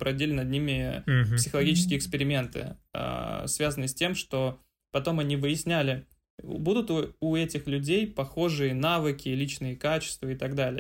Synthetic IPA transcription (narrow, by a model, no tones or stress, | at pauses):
pɾɐvdʲilʲɪnɐd̪̚nʲimʲɪpssʲɪxəlˠɐɡʲit͡ɕɪ̥skʲɪjːɪkspʲɪɾʲɪmʲe̞nt̪ɨ̰ə̰svʲazənɨsʲtʲe̞mʂt̪o̞ | pɐt̪o̞mɐnʲivɨjɪsʲnʲælʲɪ̰ | bud̪ʊt̪uuɛtʲɪxlʲʉdʲejpɐxo̞ʐɨjənavɨkʲɪlʲit͡ɕnɨjəkat͡ɕɪ̥st̪vəɪt̪ɐɡd̪alʲɪj